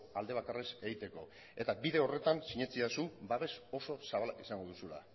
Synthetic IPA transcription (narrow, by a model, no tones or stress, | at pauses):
ald̪e̞β̞akare̞se̞ɣit̪e̞ko̞ | e̞t̪abiðe̞o̞re̞t̪ansiɲet͡siasubaβe̞so̞so̞saβalakisaŋɡo̞ð̞usula̰